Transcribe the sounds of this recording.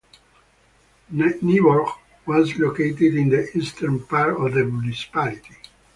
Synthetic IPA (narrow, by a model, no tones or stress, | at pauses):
nniwɔɹk | wɔzloket̪ɪd̪ĩnd̪əʔist̪əɾnpaɾɔvd̪əmjunisi̥palit̪i̥